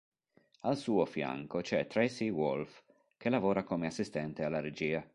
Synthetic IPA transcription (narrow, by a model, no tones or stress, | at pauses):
alsuːofja̰ŋkot͡ʃɛt̪ɾɛsiwɔlf | kelavoːɾakomeasːist̪ɛnt̪ealːaɾed͡ʒiːa